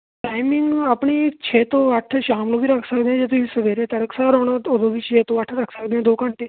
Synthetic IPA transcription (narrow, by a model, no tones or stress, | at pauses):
ʈajmiŋɡapɳiːt͡ɕʰet̪oʋaʈʰːəɕamlobiɾaksakd̪jad͡ʑet̪oisəʋeɾẽt̪əɽəksaɾoɳat̪oboɡiːt͡ɕʰjet̪oʋaʈʰəɾaksakd̪jãd̪okaɳʈ̪e